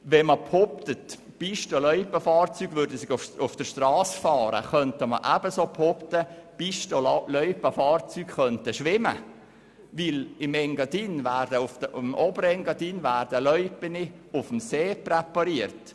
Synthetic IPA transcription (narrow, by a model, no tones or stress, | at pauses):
ʋɛməpʰhɔptət | b̥iʃtɔlœʏpːəfɑːrt͡syːɡʋʏɾdəsɪɡʊʊfd̥əʃtrɑːsfɑːɾə̰χœntəmə̰ʔæbəsoːpʰhɔpt̪əb̥iʃtollœʏpːəfɑːrt͡syːkχœntəʃʋɪmə̰ | ʋɪlɪmɛŋɡɑdiːnʋæːrd̥əʊfd̥əmɔbəɾɛŋɡɑdiːnvæːɾd̥əlœʏpəniʊfm̩seːprɛpɑɾiərt